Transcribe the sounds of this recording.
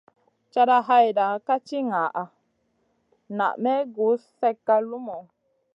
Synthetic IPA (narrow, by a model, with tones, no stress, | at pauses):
t͡ʃa˦da˦ɦa˦jda˨ka˦t͡ʃi˦ŋaː˨ʔa˨ | na̰˨ʔmɛ˦ɡu˨˦sfɛ˦kːa˦lu˦mɔ˨